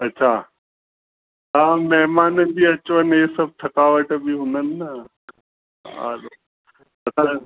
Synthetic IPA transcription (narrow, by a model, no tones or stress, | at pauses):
ɐtːɕʰaː | ɦãːmɛɦmaːnəd͡ʑiːɐt͡ɕʋəneːsɐb̚t̪ʰɐkaːʋəʈbɪɦʊn̤ənɪ̆nɐ | a̰ːlo | ɐsã